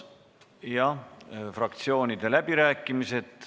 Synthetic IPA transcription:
jɑfrɑk̚t̪sio̞ːnʲid̪e̞læb̥iɾæːkːˑimise̞d̪̥

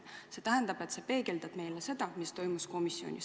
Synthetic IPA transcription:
se̞t̪æɦend̪ɑb̥e̞t̪ːsepe̞ːɡe̞ld̪̥ɑd̥me̞jlese̞d̪̥ɑmist̪o̞jmusko̞misːio̰nʲḭ

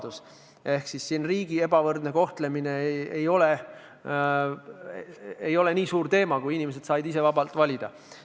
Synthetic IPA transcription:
d̪̥us | e̞hksisːinriːɡ̥ie̞bɑvɤrd̪ne̞ko̞ht̪le̞mine̞ejo̞le | ejo̞le̞niːsuːɾt̪e̞ːmɑkujinʲime̞s̬e̞d̪̥sɑjd̪is̬e̞vɑbɑlt̪vɑlʲid̪̥ɑ

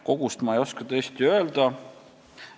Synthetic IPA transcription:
ko̞ɡ̥ust̪mɑejo̞skɑt̪ɤ̞ːst̪iø̞eld̪ɑ

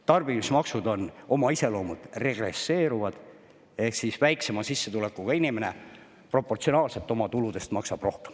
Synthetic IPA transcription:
t̪ɑrb̥imismɑksud̪o̞no̞mɑise̞lo̞ːmud̪̥re̞ɡ̥re̞̰sːe̞ːɾuvɑd̪̥ | e̞hksisvæjkse̞mɑsisːet̪ule̞kːˑuɡ̥ɑinime̞ne̞ | pro̞pːˑo̞rt̪sio̞nɑːlse̞lt̪ːˑo̞mɑt̪ulud̪̥e̞st̪mɑksɑb̥ro̞hke̥m

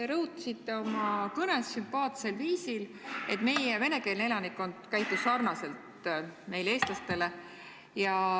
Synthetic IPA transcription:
eɾɤwut̪ːˑɑ̥sit̪ːe̞o̞mɑkɤne̞sːympɑːt̪se̞lviːsile̞t̪me̞jeve̞ne̞ke̞lne̞lɑnikːˑo̞nd̪kæjt̪ːˑusːɑrnɑse̞lt̪me̞jlee̞ːst̪lɑst̪e̞le̞ | jɑ

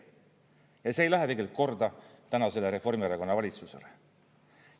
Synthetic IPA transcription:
jɑseːjlæɦet̪eɡe̞lkko̞rd̪ɑt̪ænɑse̞leɾe̞fo̞rmiɑɾɑko̞nːɑvɑlʲit̪suse̞̰le

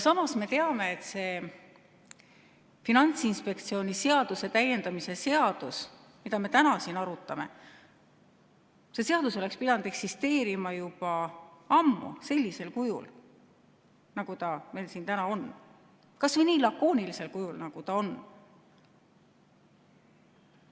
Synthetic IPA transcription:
jɑsɑmɑsme̞t̪eɑme̞et̪se̞ | finɑnt̪sinspe̞k̚t̪sio̞ːnʲise̞ɑd̪̥use̞t̪æjːe̞nd̪ɑmise̞se̞ɑd̪̥us | mid̪ɑme̞t̪ænɑsinɑɾut̪ːˑɑme̞̰ | se̞se̞ɑd̪̥uso̞le̞kspid̪ɑnd̪̥e̞ksist̪e̞ːɾimɑjub̥ɑɑmːṵse̞lʲːise̞lkujṵl | nɑɡ̥ut̪ɑme̞jlsiːnt̪ænɑo̞n | kɑsvɤjniːlɑkːo̞ːnilise̞lkujulnɑɡ̥ut̪ɑo̞n

